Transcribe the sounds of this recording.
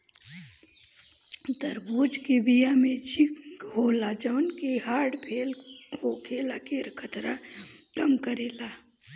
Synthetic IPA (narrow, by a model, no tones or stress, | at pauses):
d̪əɾboːd͡ʒkebijamẽt͡ʃʰikɦoːlad͡ʒəwnkeɦaːɾɖpʰeːlhokʰeːlakeːɾkʰət̪ɾa | kəmkəɾeːla